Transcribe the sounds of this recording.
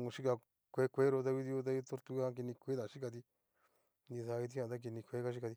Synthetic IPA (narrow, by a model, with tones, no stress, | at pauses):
ŋõ˧ʃi˦ka˧ | kʷe˦kʷe˦ɾo˧t̪a˦βi˦d̪i˧o˧t̪̬a˦i˦t̪o˦ɾt̪u˧˦a˧˦k̬i˧nĩ˧kʷe˦d̪a˨ʃi˦ka˧d̪i˧ | di˧sa˧i˧t̪̬i˦ã˧˨t̪̬a˦k̬i˧nĩ˧kʷe˨˦ka˦ʃi˦ka˧t̪i˧